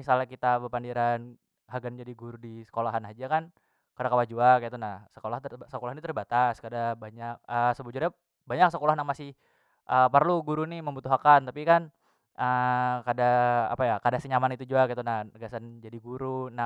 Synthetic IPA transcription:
salakit̪abəpandiɾan | ɦaɡand͡ʒadiɡuɾudisə̥kolaɦanɦad͡ʒakan | kadakəwad͡ʒuakait̪unahsə̥kolaht̪səkolahnit̪ərbat̪askadabaɲak̚əsəbəud͡ʒuɾa | baɲak̚səkolahnamasɪh | ʔəpərluɡuɾuniməmbut̪uɦakant̪apikan | ʔəkadaa̰pajakadasəɲamanit̪ud͡ʒuakait̪unahəɡasand͡ʒadiɡuɾuna

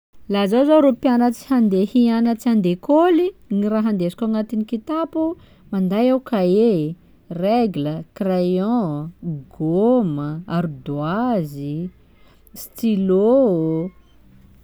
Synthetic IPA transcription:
lazazoɾopjanət͡si̥hand̪ehianət͡siand̪ekoliniɾaɦand̪esi̥kaŋat̪inikit̪apu | mand̪ajawkae | reɡləkrajɔ̃ | ɡoməaɾud̪uazi | st̪ilo

